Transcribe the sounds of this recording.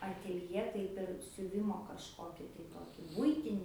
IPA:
ɐtʲeːlʲˈjeː ˈtɐɪp ɪr sʲʊˈʋʲɪmoː kɐʃˈkoːkʲɪ tɐɪ ˈtoːkʲɪ ˈbʊɪtʲɪnʲɪ

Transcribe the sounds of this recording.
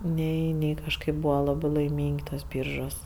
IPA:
ˈnʲɛɪ ˈnʲɛɪ kɐʃˈkɐɪp ˈbuːʋɐ ˈlˠɑːbɜ lˠɐɪˈmʲiːŋʲkʲ ˈtuɔs ˈbʲiːrʒuɔs

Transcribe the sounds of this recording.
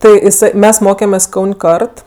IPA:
ˈtɜ ɪˈsɜ ˈmʲɛs ˈmoːkʲɛmʲeːsʲ ˈkɐʊnʲ ˈkɐrt

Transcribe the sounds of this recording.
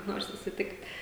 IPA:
ˈnoːr sʊsʲɪˈtʲɪktʲ

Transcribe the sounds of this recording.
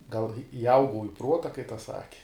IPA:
ɡɐlˠ ɪˈɐʊɡɐʊ ɪ ˈpruɔtɐ kɐɪ tɐs ˈsɑːkʲɪ

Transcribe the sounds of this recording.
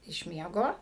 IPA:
ɪʃ ˈmʲiɛɡoː

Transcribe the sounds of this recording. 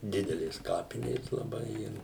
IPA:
ˈdʲɪdʲɛlʲeːs ˈkɑːpʲɪnʲeːs lˠɐˈbɐɪ ˈɪr

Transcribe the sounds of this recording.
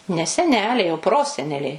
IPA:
nʲɛ sʲɛˈnʲæːlʲɛɪ oː ˈproːsʲɛnʲɛlʲɛɪ

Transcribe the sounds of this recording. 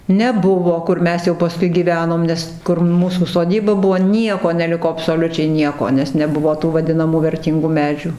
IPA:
nʲɛˈbʊʋoː kʊr ˈmʲɛs jɛʊ pɐˈskʊɪ ɡʲiːˈʋʲæːnoːm ˈnʲɛs kʊr ˈmuːsuː soːˈdʲiːbɐ ˈbʊʋoː ˈnʲiɛkoː nʲɛˈlʲɪkoː ɐpsoːˈlʲʊt͡ʃʲɛɪ ˈnʲiɛkoː nʲɛs nʲɛˈbʊʋoː tuː ʋɐˈdʲɪnɐmuː ʋʲɛrʲˈtʲiːŋɡuː ˈmʲæːd͡ʒʲʊ

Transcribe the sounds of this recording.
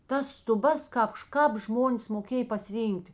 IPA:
tɐs stʊˈbɐs ˈkɑːp ʃ kɑːp ˈʒmoːnʲeːs moːˈkʲeːj pɐsʲɪˈrʲiːŋʲktʲ

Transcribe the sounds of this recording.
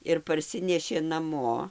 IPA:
ɪr pɐrʲˈsʲɪnʲɛʃʲeː nɐˈmoː

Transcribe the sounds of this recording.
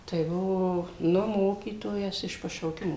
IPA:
tɐɪ ˈbʊʋoː ˈnʊ ˈmoːkʲiːtoːjɛs ɪʃ pɐʃɐʊˈkʲɪmoː

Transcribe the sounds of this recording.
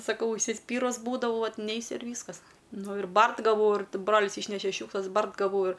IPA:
sɐˈkɐʊ ʊʃʲsʲɪˈsʲpʲiːrʊs ˈbuːdɐʋɐʊ ˈʋɐt ˈnʲɛɪsʲʊ ɪr ˈʋʲiːskɐs ˈnʊ ɪr ˈbɐrt ɡɐˈʋɐʊ ɪr ˈbroːlʲɪs ˈiːʃʲnʲɛʃʲɛ ˈʃʲuːkʃlˠɐs ˈbɐrt ɡɐˈʋɐʊ ɪr

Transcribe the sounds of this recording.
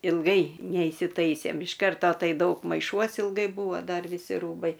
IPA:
ɪlˠˈɡɐɪ nʲɛiːsʲɪˈtɐɪsʲeːm ɪʃ ˈkɐrtoː ˈtɐɪ ˈdɐʊk mɐɪˈʃuɔs ɪlˠˈɡɐɪ ˈbuːʋoː ˈdɐr ʋʲɪˈsʲɪ ˈruːbɐɪ

